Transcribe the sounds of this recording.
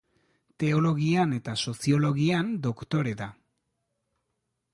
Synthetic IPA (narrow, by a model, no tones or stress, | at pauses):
t̪e̞o̞lo̞ɣiane̞t̪aso̞sio̞lo̞ɣiand̪okt̪o̞ɾe̞ða